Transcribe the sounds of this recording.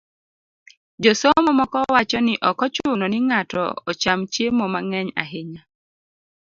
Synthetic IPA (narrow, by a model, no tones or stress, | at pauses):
d͡ʒɔsomɔmɔkɔwat͡ʃɔnɪʔɔkɔt͡ʃʊnɔnɪŋatɔ̰ɔt͡ʃamt͡ʃemɔmaŋɛɲa̰ɦɪɲa